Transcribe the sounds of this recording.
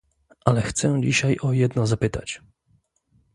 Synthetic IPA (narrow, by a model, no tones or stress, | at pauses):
ʔalɛxt̪sɛd͡ʑiɕajɔjɛd̪nɔzapɘt̪a̰t͡ɕ